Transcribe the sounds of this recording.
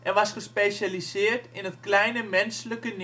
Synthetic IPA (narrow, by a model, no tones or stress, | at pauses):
ʔɛʋɑsxəspeːsalisɪərtɪnətklɛjnəmɛnsləkən